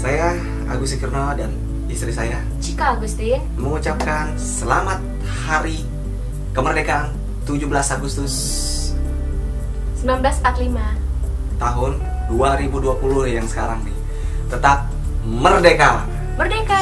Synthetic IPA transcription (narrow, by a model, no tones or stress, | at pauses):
saja | a̰ɡusikirnadan | ist̪ɾisaja | t͡ʃikaːɡust̪i | məŋut͡ʃap̚kan | səla̰mat̪̚ | haɾi | kəmərdekan | t̪ud͡ʒubəlasaɡust̪ʊs | səmbilambəlasat̪lima | t̪aɦʊn | duaɾibuduapulʊhjaŋsə̥kaɾaŋni | t̪ət̪ap̚ | mərdeka | mərdeka